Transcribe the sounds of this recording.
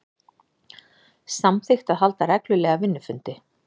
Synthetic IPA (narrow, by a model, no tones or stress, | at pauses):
samθɪxt̪aðɦal̪t̪arɛklʏlɛːɣavɪnːʏfʏnt̪ɪ